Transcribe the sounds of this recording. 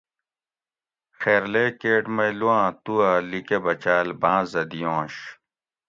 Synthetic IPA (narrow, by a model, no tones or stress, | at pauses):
xeːɾleːkeːʈmɐjluãːt̪uaːlikebɐt͡ɕaːlbãːzɐd̪ijõːɕ